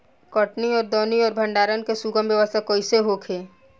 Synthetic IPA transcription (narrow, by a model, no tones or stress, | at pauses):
kɔːʈniɔːɾd̪ɔːniɔːɾbʱə̃ɳɖaːɾənkesuɡəmbjəʋəst̪əkoːiseɦoːkʰeː